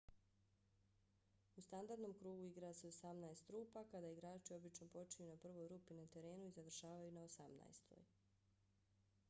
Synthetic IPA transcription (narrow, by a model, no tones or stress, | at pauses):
ust̪and̪aɾd̪no̞mkɾuːɡuiɡɾase̞osamnaest̪ɾuːpakad̪aiɡɾaːt͡ʃio̞bit͡ʃno̞po̞t͡ʃejunapr̩ʋo̞jɾuːpinat̪e̞ɾe̞ːnuizaʋr̩ʃaːʋajunaosamna̰jst̪ʰo̰j